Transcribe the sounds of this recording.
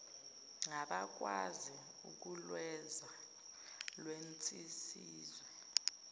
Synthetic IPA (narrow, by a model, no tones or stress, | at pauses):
ŋaɓak̬ʼwazi | ṵk̬ulwɛza | lwent͡sʼisiːzwɛ